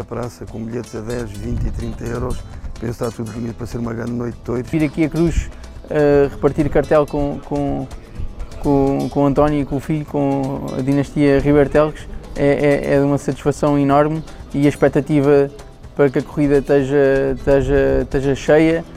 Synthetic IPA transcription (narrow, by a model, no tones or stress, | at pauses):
ɐpɾasɐkõbiʎet̪zɐðɛʒvĩnt̪it̪ɾĩnt̪ɐewɾɔʃpẽst̪at̪uðβuniðupɐɾɐseɾumɐɣɾɐ̃nd̪nojt̪̚ːojðiɾɐkiɐkɾuʃ | ɛʁɨpɐɾt̪iɾkɐɾt̪ɛlˠkõkõ | kõkõɐ̃nt̪ɔnjuikõufiʎukõɐ̰ðinɐʃt̪iɐʁiβɛɾt̪ɛlˠɣʃɛʔɛʔɛ̰ðumɐsɐt̪i̥ʃfɐsɐ̃w̃inɔɾmiɐʃpɛk̚t̪ɐt̪ivɐ | pɐɾɐkɐkuʁiðɐt̪ɐʒɐt̪ɐʒɐʃt̪eʒɐʃɐjɐ